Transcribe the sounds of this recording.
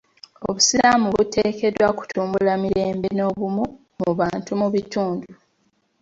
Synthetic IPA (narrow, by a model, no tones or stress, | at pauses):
o̰βusilamuβute̞ːke̞dwaku̥tʰuːmbulamiɾe̞ːmbeno̞ːβumu | muβaːntumuβituːndu